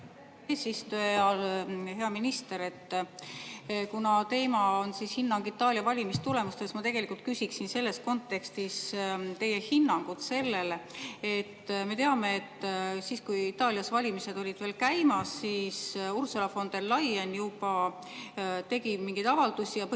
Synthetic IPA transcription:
eːsist̪uɑlheɑminist̪e̞ɾe̞t̪ː | kunɑt̪e̞ːmɑonsishinːɑŋɡ̥it̪ːˑɑːliɑvɑlʲimist̪ule̞must̪e̞smɑt̪e̞ɡ̥e̞likˑult̪̚kysʲiksinse̞lːe̞sko̞nt̪ːe̞kst̪ist̪e̞jːe̞hinːɑŋɡ̥ut̪se̞lːe̞le̞t̪ːme̞t̪e̞ɑme̞et̪ːsiːskujit̪ːˑɑːliɑsvɑlʲimise̞d̪̥o̞lʲid̪̥ve̞ːlkæjmɑsːiːsursolɑfo̞nd̪̥e̞lːɑjenjubɑ | t̪e̞ɡ̥imiŋɡ̥ijd̪ɑvɑld̪̥usʲijɑ

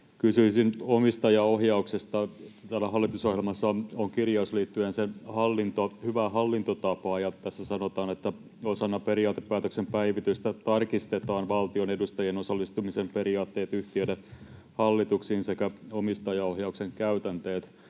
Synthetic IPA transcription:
kysyisinomist̪ɑjɑohjɑuksest̪ɑt̪æːlːæɦɑlːit̪uso̞hjelmɑsːɑoŋkirjɑusliːt̪ːyensenhɑlːint̪ohyʋæɦɑlːint̪ot̪ɑpɑːjɑt̪æsːæsɑnot̪ɑːnet̪ːæ | osɑnːɑpe̞ɾiɑːt̪epːæːt̪øksempæiʋit̪yst̪æt̪ɑrkist̪et̪ɑːnʋɑlt̪ionedust̪ɑjenosɑlːist̪umisempe̞ɾiɑːt̪ːe̞ːt̪yht̪iøde | hɑlːit̪uksiːnsekæomist̪ɑjɑohjɑukseŋkæyt̪ænt̪eːt̪

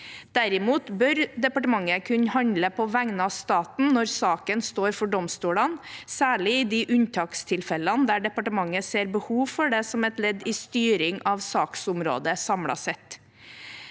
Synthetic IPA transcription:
d̪̥æɾɪmuːt̪bœɾd̪ɛpɑʈəmɑŋːəkʰʉnəhɑnd̪ləpʰɔʋæŋnɑst̪ɑːt̪n̩nɔɾsɑːkənst̪oːɾfɔɖɔmst̪uːlɑnsæːɭɪɪːd̪iʔʉnt̪ʰɑːkst̪ʰɪlfɛlɑnd̪æɖɛpɑʈəmɑŋːəseːɾbəhuːʋfɔɖɛsɔmɛt̪lɛd̪iːst̪yːɾɪŋʔɑʋsɑːksʊmɾo̰ːd̪əsɑmɽɑ̰sɛt̪

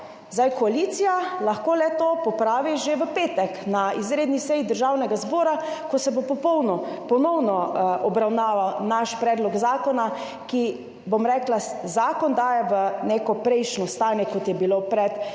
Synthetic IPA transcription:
zd̪ajkɔalit̪sijalaxkoːlɛt̪opɔpɾaːʋiʒeʋəpeːt̪ɛknaizɾeːd̪nisɛjid̪əɾʒawnɛɡazbɔːɾakosɛbopɔpɔwnɔ | pɔnɔwnɔʔɔbɾawnaːʋawnaʃpɾɛːd̪lɔɡzaːkɔna | ki | bomɾɛːklazaːkɔnd̪aːjɛʋənekɔpɾɛjʃnɔst̪aːnjɛkɔt̪jɛbilopɾɛt̪

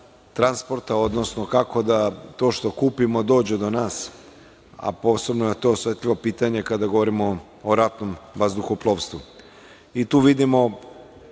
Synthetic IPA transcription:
t̪ɾanspo̞ɾt̪ao̞d̪nosno̞kako̞d̪at̪o̞ːʃt̪o̞kuːpimo̞d̪o̞ːd͡ʑed̪o̞naːs | a̰po̞se̞bnojet̪oosʋet̪ʎiʋo̞piːt̪aɲe̞kad̪aɡo̞ʋoɾimo̞ː | ɾat̪nomʋazd̪uxuplˠoʋst̪ʋu | it̪uːʋid̪imo̞

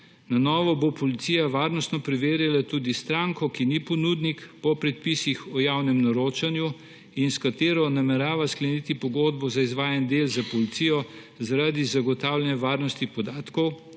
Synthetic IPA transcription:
nanɔːʋɔbopɔlit̪sijaʋaːɾnɔst̪nɔpɾɛʋeːɾjalat̪uːd̪ist̪ɾaːŋkɔkinipɔnud̪nikpɔpɾɛt̪̚pisixɔjawnɛmnɐɾoːt͡ʃanju | inskat̪eːɾɔnamɛɾaːʋasklɛnit̪ipɔɡod̪bɔzaizʋaːjand̪elzapɔlit̪sijɔ | zaɾad̪izaɡɔt̪aːwlʲɛnjɛʋaːɾnɔst̪ipɔd̪aːt̪kɔw

